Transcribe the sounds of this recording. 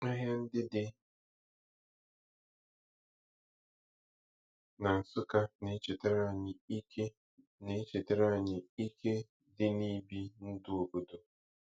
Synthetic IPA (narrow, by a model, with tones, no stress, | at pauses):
ŋa˦ɦa˦n̩˦dɪ˦dɪ˦ | na˨n̩˨sʊ˦ka˦ne˨˦t͡ʃɪ˨tɪ˦ɾa˦˨ɲɪ˨i˦ke˦ | ne˨˦t͡ʃi˨te˨˦ɾa˦˨ɲɪ˨i˦kʰe˦ | dɪ˦ni˦bi˦n̩˦dʊ˦o˨bo˨do˨